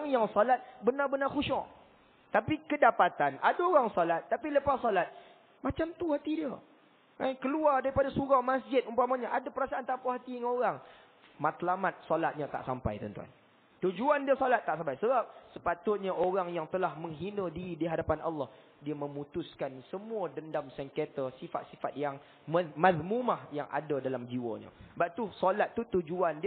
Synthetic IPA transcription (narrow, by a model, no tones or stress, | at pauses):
ŋjaŋsɔlat̪̚bənarbənarxuʃɔ̰ʔ | t̪apikədapat̪anʔa̰daoɾaŋsɔlat̪ːapiləpasɔlat̪̚ | mat͡ʃamt̪uhat̪idiə | ankəluardaɾipadasuɾamasd͡ʒɪt̪̚umpamaɲaʔadapəɾasaant̪apaɦat̪iŋoɾaŋ | mat̪lamat̪̚sɔlat̪̚ɲat̪a̰ʔsa̰mpa̰jt̪ə̰nt̪ua̰n | t̪ud͡ʒuandiəsolat̪ːaʔsampajsəbap̚səpat̪ʊt̪̚ɲaʔoɾaŋjaŋt̪əlahməŋɦinə̃diɾidiɦadapana̰lːɑh | diəmə̃mũt̪ʊskansəmuədəndamsɛŋket̪əsifa̰t̪̚sifat̪̚jaŋ | məmaðmumahjaŋa̰dədalamd͡ʒiwə̰ɲə̰baʔt̪usɔlat̪ːut̪ud͡ʒuandi